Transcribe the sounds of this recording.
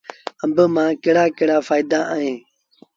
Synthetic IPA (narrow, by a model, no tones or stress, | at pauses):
əmbəmãːkɪɽaːkɪɽaːfaːid̪aːʔaːɦẽː